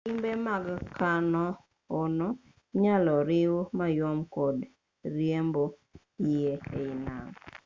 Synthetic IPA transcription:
imbemaɡkanɔ | ono | ɲalɔɾɪwmajɔmkɔd | ɾjembo | jeina̰ŋ

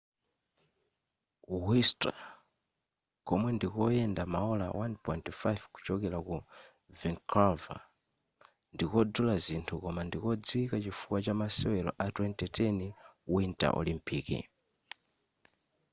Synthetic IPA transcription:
wista̰ | kɔmwɛndikɔjɛndamaɔla̰wanpɔintfajvku̥t͡ʃɔkɛlaku | vɛŋkʰalva̰ | ndikɔdulazintʰukɔmandikɔd͡zwikat͡ʃifuwat͡ʃamasɛwɛlɔ̰ʔatwɛntɛtɛniwintʼa̰ʔɔ̰limpiːkḭ

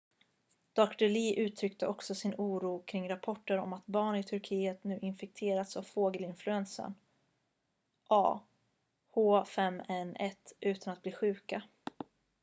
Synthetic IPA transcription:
d̪̥ɔkt̪ɔɭiːʔʉ̟ːt̪ʰɾʏkt̪əʔɔksɔsɪnuːɾuːkʰɾɪŋɾapʰɔʈːəɾɔ̰mat̪bɑːɳɪt̪ʰɵɾkʰiːət̪nʉ̟ːʔɪnfɛk̚t̪ʰeːɾat̪savfoːɡəlɪnflɵɛnsə̰ɳ | ʔɑ̰ː | hoːfɛmːɛnɛt̪ʉ̟ːt̪anat̪̚b̥liːɧʉ̟ːka

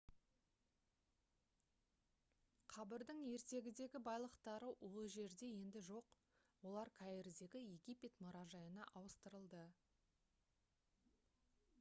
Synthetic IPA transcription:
qʰɑbəɾd̪əɴje̞ɾt̪e̞ɡʲɪd̪e̞ɡʲɪbɑjlˠəqt̪ɑɾəwʔo̞lʒe̞ɾd̪e̞je̞nd̪ɪʒo̞q | wo̞lˠɑɾkʲʰæjeɾd̪e̞ɡʲɪje̞ɡʲijpʲe̞t̪mʊɾɑʒɑjənɑʔɑwəst̪əɾəlˠd̪ə

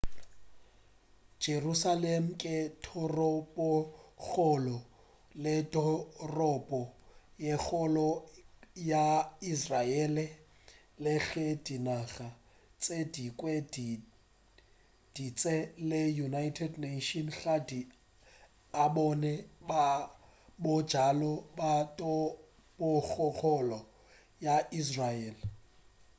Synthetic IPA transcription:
d͡ʒ̥erusalem̩kʼɪtʰɔrɔbɔk͡xɔlɔ | lɪdɔrɔpʼɔjek͡xɔlɔ | jaisraɛlɪ | lɪɣɛdinaɣa | t͡sʼedikʼwɛd | d̥it͡sʼɛlɪjunajtʰɛdneʃɔnɬadi | abɔnɛba | bʊd̥d͡ʒ̥alɔbatʼɔ | bʊk͡xʰɔɣɔlɔ | jais̬raɛːl

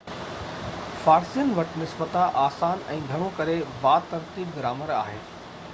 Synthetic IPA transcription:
faːɾsijənʋɐʈɪnɪsbət̪aʔaːsaːnɛ̃ːɡʱɐɽ̃õkɐɾebaːt̪ɐɾt̪iːb̚ɡɪɾaːməɾa̰ːɦḛː

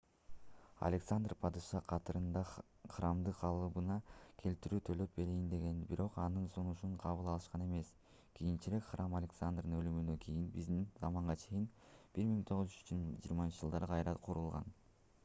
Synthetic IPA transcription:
a̰lʲeksand̪rpʰad̪ɯʃɑqʰɑt̪ɯɾɯnd̪ɑ | χramd̪ɯqʰɑlˠɯβɯnɑkʰe̞lt̪iɾyːt̪ʰø̞lø̞p̚be̞ɾijind̪e̞ɡe̞nbiɾʔo̞qɑnɯnsunuʃuɴqʰɑβɯlˠɑlˠɯʃqɑne̞me̞s | kʰijint͡ʃiɾe̞kχrʔamalʲeksand̪rd̪ɯnø̞lymynd̪økʲʰijinbizd̪inzɑmɑɴʁɑt͡ʃʰe̞jinb̥iɾmiŋt̪ʰo̞ʁɯzd͡ʒy̥d͡ʒḭːɾmɑnt͡ʃi̥ʒd͡ʒɯlˠɑɾɯqʰɑjɾɑqʰuɾulˠʁɑ̰n

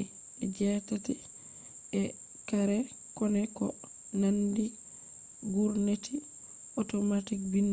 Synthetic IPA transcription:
ɛd͡ʒɛtatɛ | ɛ | kaɾɛ | kɔnɛkɔ | nandi | ɡuɾnetʰi | ɔtɔmatikbinː

